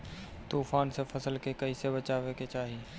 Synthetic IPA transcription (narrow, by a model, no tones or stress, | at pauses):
t̪uːfaːnsefʰɐsəlkekɐisebət͡ʃaːʋeket͡ʃaːɦi